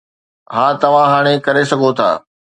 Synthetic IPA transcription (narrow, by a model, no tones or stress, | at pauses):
ɦaːt̪ɐʋ̤ãɦaːɽ̃ekɐɾesɐɡʱot̪ʰa̰ː